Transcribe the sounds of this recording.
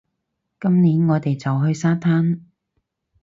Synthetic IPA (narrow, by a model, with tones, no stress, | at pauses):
kɐ˥mniː˨˥nŋɔː˨˧t̪e˨jt͡sɐ˨wɦɵ˧ɥsaː˥t̪ʰaː˥n